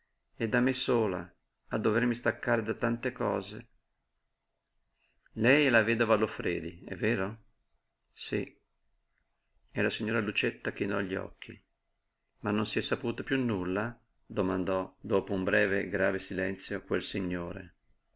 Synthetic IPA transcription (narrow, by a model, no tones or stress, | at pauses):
ɛd̪ːamːesoːla̰ | ad̪ːovermist̪akːaːɾed̪at̪ːant̪ekɔ̰ːzḛ | lɛjlaveːd̪ovalofɾeːd̪iɛ̰vːɛːɾo | si | elasiɲːoːɾalut͡ʃet̪ːak̟inɔʎːiɔ̰kʰːḭ | manːonsiɛsːapuːt̪apjunːulːa | d̪omand̪ɔd̪oːpoumbɾɛːveɡɾaːvesilɛnt̪sjokwelsiɲːoːɾḛ